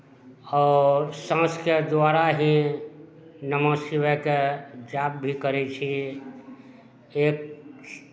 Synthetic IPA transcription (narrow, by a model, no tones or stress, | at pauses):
ɔːsãsked̪waɾaɦĩ | nəmasiʋəked͡ʒab̚bʱikəɾɛt͡ʃʰi | eːk̚